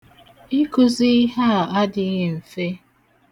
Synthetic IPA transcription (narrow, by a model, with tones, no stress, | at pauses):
i˦kʊ˨zi˦ɦa˦˨a˦dɪ˨˦ɦe˨m̩˨fe˦